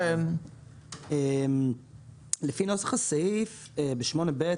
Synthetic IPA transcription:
em | lefino̞sḁχasaif | ebeʃmo̞nebe

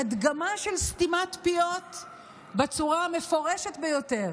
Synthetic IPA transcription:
ad̪ɡamaʃe̞lst̪imat̪piot̪ | bet͡suʁame̞fo̞ʁeʃet̪bejo̞te̞ʁ

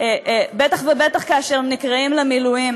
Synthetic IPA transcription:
ebet̪aχvebet̪aχkaaʃeʁnikʁaimlemiluim

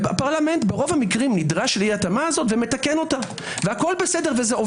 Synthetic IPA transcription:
apaʁlame̞ntbeʁo̞vhamikʁimnidʁaʃliatamaːzo̞tveme̞takeno̞ta | vehako̞lbe̞se̞de̞ʁve̞zeo

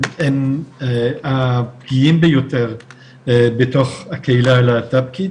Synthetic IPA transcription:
eneapɡiimbejo̞te̞ʁ | beto̞χhakeilaelat̪ab̚ki

